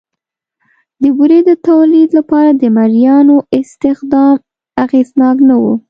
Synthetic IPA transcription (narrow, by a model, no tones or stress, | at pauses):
d̪əbuɾed̪ət̪awlid̪lapɑɾad̪əmaɾjɑnoɪst̪ɪxd̪ɑm | aɣeznɑknawṵ